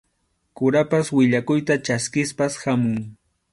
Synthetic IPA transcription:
kʊɾapaswɪʎakʊjt̪at͡ʃaskɪspashamʊŋ

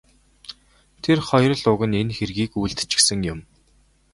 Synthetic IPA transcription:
t̪ʰerχɔjrə̆ɮʊɣə̆nenxerɣiːkujɮt̪t͡ɕɪ̥̆ksɘ̆ŋjʊm

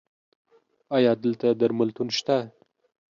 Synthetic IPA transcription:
ɑjɑd̪əlt̪ad̪aɾmalt̪unʃt̪a

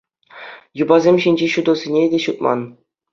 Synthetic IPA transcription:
jubɑzʲemʲɕinʲd͡ʑeɕud̪ɤ̆sʲinʲedʲeɕut̪̚mɑ̰n

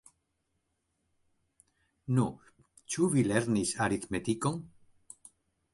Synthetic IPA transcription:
nu | t͡ʃuvileɾnisaɾit̪met̪ikoŋ

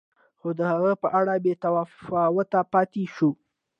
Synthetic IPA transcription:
xod̪əhaɣəpəʔaɽabet̪awɑfawət̪apɑt̪eʃu

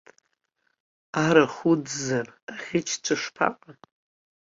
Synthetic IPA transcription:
aɾaχud͡zzaraχʲɪt͡ʃʰt͡ʃʷʰaʂpʰa̰qʼa

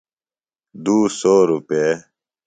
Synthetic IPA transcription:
d̪uːsoːɾupeː

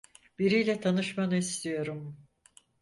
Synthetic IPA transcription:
b̥iɾijlʲɛt̪ʰanɯʃmanɯist̪ʰijo̞ɾum

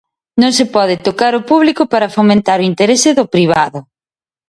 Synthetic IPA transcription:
nõŋsepɔðɪt̪okaɾʊpuβlikʊpaɾɐfomẽnt̪aɾʊint̪eɾesɪðʊpɾiβ̞aðʊ

